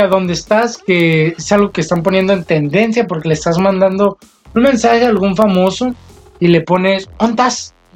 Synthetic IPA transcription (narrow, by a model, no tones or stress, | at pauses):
aðond̪est̪aske̞esalɣo̞kest̪amp̬o̞nje̞nd̪oe̞nt̪e̞nd̪e̞nsjapo̞ɾke̞lest̪azmãnd̪and̪o̞ | unmẽ̞nsaxe̞alɣuɱfamo̞so̞ | ile̞po̞ne̞sont̪as